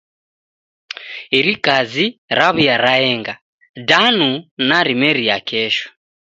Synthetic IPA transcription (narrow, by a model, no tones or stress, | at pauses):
iɾikaziɾaβujaɾaɛŋɡa | danunaɾimɛɾijakʰɛʃɔ̥